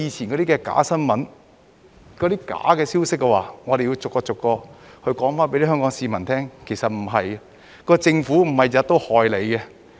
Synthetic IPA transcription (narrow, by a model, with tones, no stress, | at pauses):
iː˨˧t͡sʰiː˨˩nkɔ˨˧ɾiː˥kɛː˧ka̰ː˨˥sɐ˥nmɐ˨˥n | kɔː˨˧ɾiː˥ka̰ː˨˥kɛː˧siː˥wsɪ˥k̚ːɛ˧wa̰ː˨˩ŋɔ˨˧ɾe˨ji˧wt͡sʊ˨kːɔː˧t͡sʊ˨kːɔː˧hɵ˧ɥkɔː˨˥ŋfaː˥npe˧˥li˥ɦœː˥ŋkɔː˨˥ŋsiː˧mɐ˨˩nt̪ʰɛː˥ŋkʰe˨˩jsɐ˨t̚m̩˨˩ɦɐ˨j | kɔː˧t͡sɪ˧ŋfuː˨˥m̩˨˩hɐ˨jɐ˨˥t̪o˥whɔː˨˧jle˨˧jkɛ˧